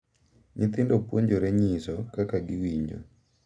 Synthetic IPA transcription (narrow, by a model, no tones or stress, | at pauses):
ɲɪt̪ɪndopwoɲd͡ʒoɾɛɲisɔkakaɡɪwiɲd͡ʒo̰